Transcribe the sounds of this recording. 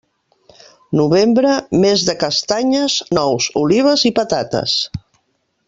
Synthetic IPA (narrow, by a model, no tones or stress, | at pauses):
nuβembɾəmezðəkəst̪aɲəznɔwzuliβ̞əzipət̪at̪ə̰s